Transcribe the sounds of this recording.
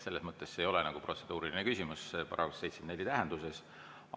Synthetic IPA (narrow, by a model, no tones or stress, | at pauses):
se̞lːe̞smɤt̪ːe̞sːejo̞le̞nɑɡ̥upro̞t̪se̞d̪̥uːɾilinekysʲimusspɑɾɑ̰ɡussejt̪si̥nelʲːit̪æɦend̪̥use̞s